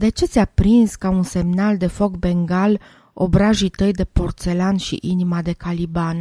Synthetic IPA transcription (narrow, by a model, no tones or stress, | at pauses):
d̪e̞t͡ʃe̞t̪sʲapɾinskaunse̞mnald̪e̞fo̞kbe̞ŋɡal | o̰bɾaʒit̪əjd̪e̞po̞rt̪se̞lanʃḭʔinimad̪e̞kaliban